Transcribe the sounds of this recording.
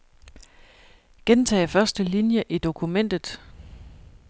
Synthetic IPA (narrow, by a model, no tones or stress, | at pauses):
ɡ̥ent͡sʰɛ̰ːfɶɐsd̥əlinjəʔid̥o̝kʰumen̰d̥ð̩ˠ